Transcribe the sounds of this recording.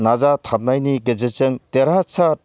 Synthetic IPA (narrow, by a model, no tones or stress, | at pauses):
nazatʰap̚najniɡed͡ʒet͡ʃɯŋteɾasʰa